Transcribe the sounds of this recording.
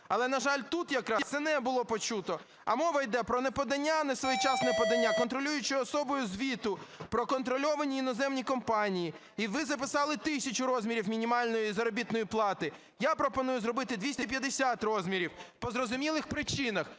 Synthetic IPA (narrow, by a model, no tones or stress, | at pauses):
ɐlˠɛnɐʒɑlʲt̪ut̪jɐkɾɑsɛnɛbʊlˠɔpɔt͡ʃut̪ɔ | ɐ̰mɔʋɐjd̪ɛpɾɔnɛpɔd̪ɐnʲːanɛsʋɔjt͡ʃɑsnɛpɔd̪ɐnʲːakɔnt̪ɾɔlʲujʊt͡ʃɪɔsɔbɔjʊzʲʋʲit̪ʊpɾɔkɔnt̪ɾɔlʲɔʋɐnʲiːnɔzɛmnʲikɔmpɑnʲiji | iʋɪzɐpɪsɑlˠɪt̪ɪsʲɐt͡ʃʊɾɔzʲmʲiɾʲiwmʲinʲimɑlʲnɔjizɐɾɔbʲit̪nɔjiplˠɑt̪ɪ | japɾɔpɔnujʊzɾɔbɪt̪ɪd̪ʲʋʲisʲt̪ʲɐpʲjɐd̪esʲat̪rɔzʲmʲiɾʲiwpɔzɾɔzʊmʲilˠɪxpɾɪt͡ʃɪnɐx